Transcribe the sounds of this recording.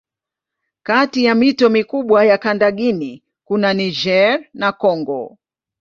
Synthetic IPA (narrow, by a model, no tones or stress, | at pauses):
katijamitɔmikuɓwajakandaɠini | kunaniʒɛɾnakɔŋɡɔ̰